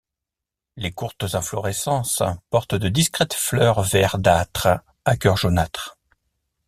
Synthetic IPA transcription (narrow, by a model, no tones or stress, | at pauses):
lekuʁt̪zɛ̃flɔʁɛsɑ̃spɔʁt̪d̪əd̪iskχɛt̪flœʁvɛʁd̪at̪χ | akʲœʁʒonat̪χ